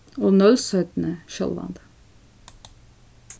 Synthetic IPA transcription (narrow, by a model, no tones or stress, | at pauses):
oːnœlsœːt̪n̩əʃɔ̰lɑ̰nd̪̥